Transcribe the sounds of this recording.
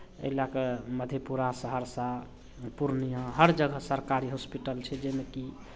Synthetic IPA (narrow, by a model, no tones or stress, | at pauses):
ḛɦilakeməd̪ʱjepuɾasəɦəɾsa | puɾnijə̃ɦəɾd͡ʒəɡʱəsəɾkaɾiɦospiʈəlt͡ʃʰɛd͡ʒemeki